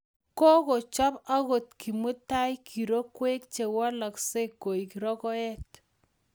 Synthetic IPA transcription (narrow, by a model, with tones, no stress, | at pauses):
ko˦ko˨t͡ʃɔ˦pa˦ko˨t̚kʰi˨mu˦ta˦jkʰi˨ɾo˦kwe˦k̚t͡ʃe˨wa˦la˨kse˦kːo˨i˨ki˨ɾɔ˦kɔ˦ɛ˦t